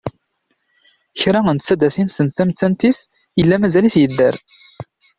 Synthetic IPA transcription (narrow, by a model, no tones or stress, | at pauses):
çɾæənt̪t͡sːæd̪æθinsənθæmt͡sːænt̪is | jəlːæmæzæliθjəd̪ːəɾ